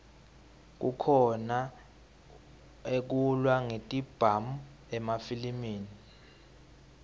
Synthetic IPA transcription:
k̬ukʰɔna | ek̬ulwaŋetʼib̥ʱamu | ɛmafilimiːni

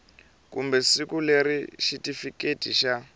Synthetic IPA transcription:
kumbɛsikuleɾiʃitifiketʰʼiʃa

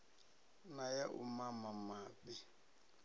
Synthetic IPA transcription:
najaʔṵmamamaːbɛ

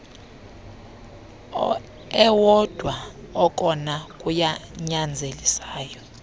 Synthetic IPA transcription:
ɛwɔd̥ʱwaɔk̬ʼɔnakʼujaɲand͡zʱelisaːjɔ

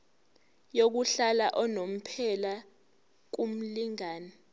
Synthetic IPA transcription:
jok̬uɬalaʔɔnom̩pʰɛla | k̬um̩liŋaːnɛ

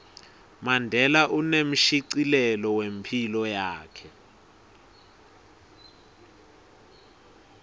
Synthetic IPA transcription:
mandʱɛlaʔunem̩ʃiǀilɛlɔwempʰilɔjaːkʰɛ

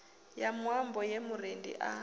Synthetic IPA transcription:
jamwambɔjemurendḭʔa

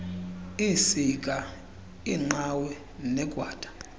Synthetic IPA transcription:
isikʼa | iŋ͡ǃawɛ | nɛkʼwaːd̥ʱʼḁ

